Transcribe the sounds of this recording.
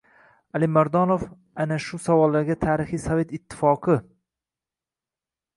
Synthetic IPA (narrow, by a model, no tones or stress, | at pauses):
alɪmaɾd̪ɒnof | anaʃʊsavɒlˠːaɾɡʲat̪ʰaːɾɪχijsave̞t̪ɪt̪ʰːɪ̥fɒqʰɨ